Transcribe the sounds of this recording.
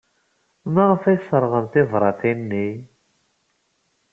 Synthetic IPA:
maʁəfæjsˤəɾˤʁəmt̪ɪvɾˤɑθinːi

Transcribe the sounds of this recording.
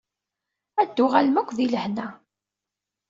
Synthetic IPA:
æd̪ːʊʁælmækʷːðiləhnæ

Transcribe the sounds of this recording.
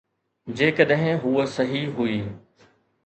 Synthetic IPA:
d͡ʑeːkəɗɦɪ̃ɦusɐɦiɦuiː

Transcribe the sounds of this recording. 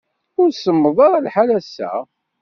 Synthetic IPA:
ʊɾsəmːəðˤɑɾˤɑlħalæsːæ̰

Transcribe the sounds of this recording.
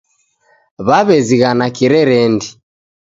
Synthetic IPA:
βaβɛziɣanakiɾɛɾɛndi

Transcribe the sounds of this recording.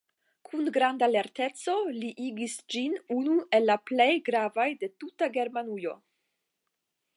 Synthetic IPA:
kʰunɡɾandale̞ɾte̞t͡so̞liʔiɡisd͡ʒinunue̞lːaple̞jɡɾavajde̞tutaɡe̞ɾmanujo̞̰

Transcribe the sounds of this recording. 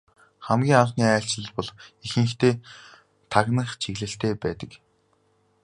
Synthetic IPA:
χæmɡʲiːŋaɴχniːæːɬt͡ɕɮə̆ɮpɔɮexɘ̆ŋxt̪eː | t̪ʰaɣnə̆χt͡ɕʰiɣɮɘ̆ɬt̪eːpæːt̪ə̆k

